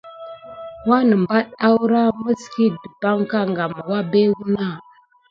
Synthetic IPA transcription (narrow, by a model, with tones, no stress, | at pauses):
wa˦nə˨mba˦ɗa˦wu˦ɾa˦mə˦ski˦də˨ba˦ŋka˦ŋɡa˨ma˨wa˦be˦wu˦na˦˨